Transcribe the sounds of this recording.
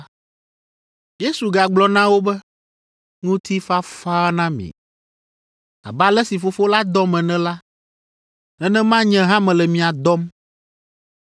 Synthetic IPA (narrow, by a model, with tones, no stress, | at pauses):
je˦su˨ɡa˨ɡ͡blɔ˨nã˦wo˦bɛ˦ | ŋũ˦t̪ʰi˦fa˦fa˦nã˦mḭ̃˨ | a̰˨ba˨lɛ˦si˨fo˦fo˦la˦d̪ɔ˦mɛ̃˨nɛ̃˦la˦ | nɛ̃˦nɛ̃˦mã˦ɲɛ̃˦ɦã˦mɛ̃˨lɛ˨mĩ˨a˨d̪ɔ˦m